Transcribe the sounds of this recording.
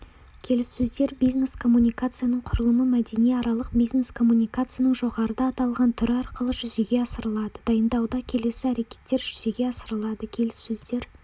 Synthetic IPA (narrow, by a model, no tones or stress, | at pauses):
kʲʰe̞lɪsːɵzd̪e̞ɾbijzne̞skʰo̞mːunʲijkat̪sɨjanəɴqʰʊɾəlˠəməmæd̪e̞nijɑɾɑlˠəq̚bijzne̞skʰo̞mːunʲijkat̪sɨjanəɴʒo̞ʁɑɾəd̪ɑːt̪ɑlˠʁɑnt̪ʰʏɾɑɾqəlˠəʒʏze̞ɡʲe̞ɑsəɾəlˠɑd̪əd̪ɑjənd̪ɑwd̪ɑkʲʰe̞le̞sɪæɾe̞kʲe̞̥t̪ːe̞ɾʒʏze̞ɡʲe̞ɑsəɾəlˠɑd̪əkʲʰe̞lɪsːɵzd̪e̞ɾ